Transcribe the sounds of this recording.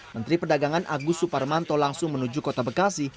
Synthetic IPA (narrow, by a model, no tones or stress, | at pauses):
mənt̪ɾipərdaɡaŋanʔaɡusuparmant̪ɔlaŋsʊŋmənud͡ʒukɔt̪abəkasi